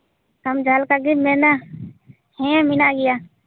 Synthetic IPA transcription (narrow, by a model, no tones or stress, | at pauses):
kəmd͡ʒʱaːlkaɡɪmeːna | hẽãmɪnaːɡɪjaː